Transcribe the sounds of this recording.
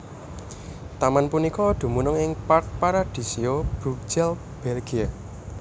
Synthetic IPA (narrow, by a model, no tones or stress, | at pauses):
t̪amanpunikɔd̪̥ṳmunʊŋɪŋpark̚paɾad̪̥i̤siob̥uksɛl | b̥ɛlɡ̥ia